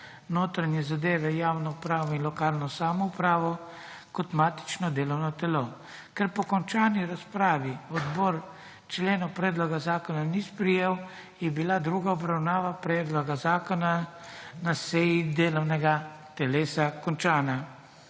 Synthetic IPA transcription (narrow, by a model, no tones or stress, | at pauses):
noːt̪ɾanjɛzad̪eːʋɛjaːwnɔupɾaːʋɔinlɔkaːlnɔsaːmɔupɾaːʋɔ | kɔt̪maːt̪i̥t͡ʃnɔd̪eːlɔwnɔt̪ɛlo | kɛɾpɔkɔnt͡ʃaːniɾaspɾaːʋiɔd̪bɔːɾ | t͡ʃleːnɔwpɾɛːd̪lɔɡazaːkɔnanispɾijeːw | jɛbilad̪ɾuːɡaɔbɾawnaːʋapɾɛːd̪lɔɡazaːkɔna | nasɛjid̪eːlɔwnɛɡat̪ɛleːsakɔnt͡ʃaːna